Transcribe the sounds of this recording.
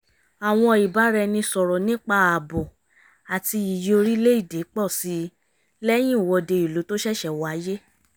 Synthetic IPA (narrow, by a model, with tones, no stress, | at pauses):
a˨w̃ɔ̃˧i˨ba˨˦ɾɛ˧nĩ˧sɔ˨ɾɔ˨nĩ˦k͡pa˦˧˨a˨bɔ˨ | a˨ti˧i˨jo˧ɾi˦le˦i˦˨de˨˦k͡pɔ˦˨si˨˦ | lɛ˦j̃ĩ˦˨wɔ˧de˧i˨lu˨˦to˦ʃɛ˦˨ʃɛ˨wa˨˦je˦